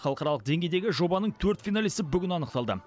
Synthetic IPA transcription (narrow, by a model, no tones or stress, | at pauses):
χɑlˠəqɑɾɑlˠəq̚d̪e̞ŋɡʲejd̪e̞ɡʲɪʒo̞bɑnəɴt̪ʰɵɾt̪fʲijnalijst̪əbʏɡʲɪnɑnəq̚t̪ɑlˠd̪ə̰